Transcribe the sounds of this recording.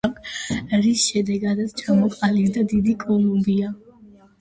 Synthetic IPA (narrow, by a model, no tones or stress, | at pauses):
kɾisʃɛd̪ɛɡad̪at̪st͡ʃʰamɔqʼaliɾd̪ad̪id̪ikʼɔlˠumbia